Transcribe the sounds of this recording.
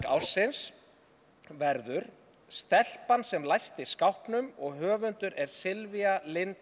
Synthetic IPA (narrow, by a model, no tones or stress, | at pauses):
a̰wsɪns | vɛɾðʏɾ̥ | st̪ɛl̥pansɛmlajst̪ɪskawhpnʏmɔɣɦœːvʏnt̪ʏɾʔɛɾ̥sɪlvialɪn